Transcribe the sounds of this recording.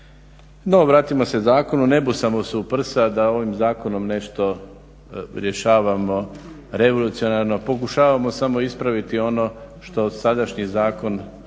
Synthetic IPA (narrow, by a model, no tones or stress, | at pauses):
no̞ʋɾaːt̪imo̞se̞zaːko̞nune̞busamosuupr̩sad̪ao̞ʋimzaːko̞no̞mne̞ʃt̪o̞ | ɾʲje̞ʃaːʋamo̞ | ɾe̞ʋo̞lˠut̪sio̞naɾnopo̞kuʃaːʋamo̞samo̞ispɾaʋit̪io̞no̞ʃt̪o̞sad̪aʃɲizaːko̞n